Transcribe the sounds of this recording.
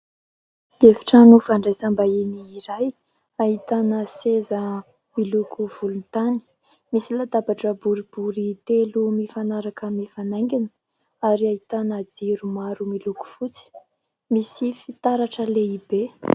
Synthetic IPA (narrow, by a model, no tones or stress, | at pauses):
evi̥ʈ͡ʂanufaɳɖ͡ʐesambaeniːɾaj | aɦit̪anəsezə | milukʰuv̥ulunt̪ani̥ | misilad̪abaʈ͡ʂəbuɾib̥uɾit̪elumifanaɾakəmifanajŋɡʲinə̥ | aɾiait̪anəd͡ziɾumaɾumiluku̥fut͡si̥ | misifit̪aɾaʈ͡ʂəleibe